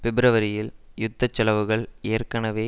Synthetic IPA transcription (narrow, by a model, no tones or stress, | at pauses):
pɪbɪɾɐʋɐɾɪjɪljʊt̪ːɐt͡ʃːɐlɐʋɯɣɐɭeːrkɐnɐʋeː